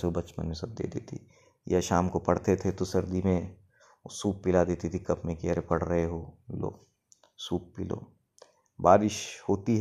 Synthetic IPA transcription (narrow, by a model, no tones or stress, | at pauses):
seobɐt͡ʃmə̰nmẽsɐb̚d̪ḛːd̪eːt̪ʰḭ | jaʃaːmkopɐɽ̤t̪et̪ʰet̪osɐɾd̪imẽ | suːp̚pɪlad̪eːt̪it̪ʰikɐpmẽkiəɾpɐɽ̤ɾɐɦeɦoːlo̰ː | suːp̚pɪlo̰ː | baːɾɪʃhoːt̪iɦ